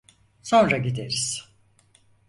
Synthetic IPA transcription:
so̞nɾaɟid̪eɾiz̥

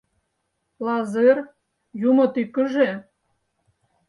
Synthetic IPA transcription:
lɑzer | jumɤ̆t̪ykːə̆ʒe

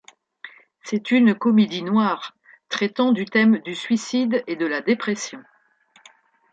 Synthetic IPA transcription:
sɛt̪ynkɔmed̪inwaʁ | t̪χɛt̪ɑ̃d̪yt̪ɛmd̪ysɥisid̪ed̪əlad̪epχɛsjɔ̃

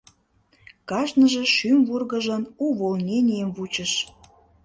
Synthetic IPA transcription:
kɑʃnəʒeʃymvurɣəʒənuβolnʲenʲijəmvut͡ɕəʃ

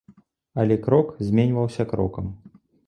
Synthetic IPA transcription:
ɐlʲɛkɾɔkzʲmʲenʲvɐwsʲɐkɾɔ̰kɐm

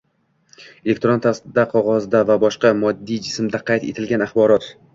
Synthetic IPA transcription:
ele̞k̚ʲt̪ɾont̪ʰasd̪aqʰɒʁɒzd̪avabɒʃqɑmɒd̪ːijd͡ʒɪsmd̪aqʰɑjt̪ḛt̪ʰɪlɡʲanaχbɒɾɒt̪

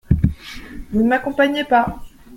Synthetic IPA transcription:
vunəmakɔ̃paɲepa

